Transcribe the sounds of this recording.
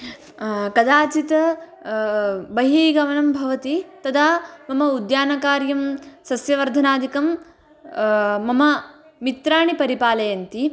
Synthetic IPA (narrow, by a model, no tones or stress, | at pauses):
kɐd̪aːt͡ʃit̪ɐ | bɐɦiːɡɐʋɐnɐmbʱɐʋɐt̪it̪ɐd̪aːmɐmɐud̪jaːnɐkaːɾjɐmsɐsjɐʋɐɾd̪ʱɐnaːd̪ikɐm | mɐmɐ | mit̪ɾaːɳipɐɾipaːlɐjɐnt̪i